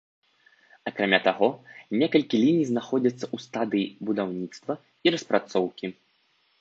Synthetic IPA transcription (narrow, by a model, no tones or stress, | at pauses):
akɾamʲat̪aɣɔnʲɛkɐlʲkʲilʲinʲijznaxɔd͡zʲɐt̪sːɐʔust̪ad̪ɨjibud̪awnʲit̪st̪vɐ | iɾɐspɾat̪sɔwkʲi